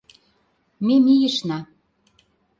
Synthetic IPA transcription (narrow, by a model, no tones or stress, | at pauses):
memijəʃnɑ